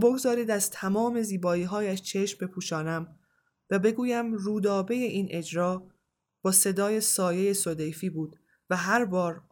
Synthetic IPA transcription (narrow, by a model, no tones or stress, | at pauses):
boɡzɒːɾiːd̪æzt̪ʰæmɒːme̞ziːbɒːiːɦɒːjæʃt͡ʃʰe̞ʃmbe̞pʰuːʃɒːnæm | væbe̞ɡuːjæmruːd̪ɒːbe̞jeʔiːnʔe̞d͡ʒɾɒː | b̥ɒːse̞d̪ɒːje̞sɒːje̞je̞sod̪e̞jfiːbuːd̪̥ | væɦæɾbɒːɾ